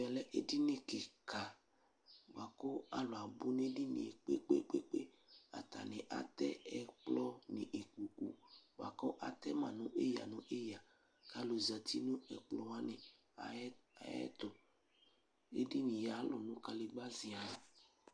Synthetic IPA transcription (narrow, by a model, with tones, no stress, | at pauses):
vɛ˨lɛ˦ʔe˨di˦nẽ˨ke˨ka˨ | ɡ͡ba˨kɔ˦a˨lo˨a˨bu˦n˦e˦di˦nḭ̃˨e˨k͡pḛ˦k͡pḛ˦k͡pe˦k͡pe˦ | a̰˨t̪a̰˨nẽ˨ʔa̰˨t̪ɛ˦ɛ˨k͡plɔ˦nḭ̃˨ʔe˨ku˨kṵ˨ɡ͡ba̰˨kɔ˦ʔa̰˨t̪ɛ˦mã˨nũ˦ʔe˦ja̰˨nũ˦ʔe˦ja˨ | ka˨lo˨za˨t̪i˦nũ˦ɛ̰˨k͡plɔ˨˦wa˦nẽ˨˦ | a̰˨jɛ̰˦t̪ʊ˨ | ḛ˦di˦nĩ˨ja˨˦lo˨nũ˦ka˨le˨ɡ͡ba˦zi˨a˨